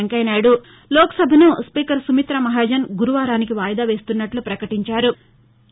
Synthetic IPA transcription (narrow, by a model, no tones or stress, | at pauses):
ŋkɐjnaːɽu | lɔːkɐ̥sɐbʱɐnuspiːkɐɾsumit̪ɾɐmɐɦaːd͡ʒɐnɡuɾuʋaːɾaːnik̬iʋaːjd̪aːʋe̞ːst̪unːɐʈlupɾɐkɐʈiɲt͡ʃaːɾu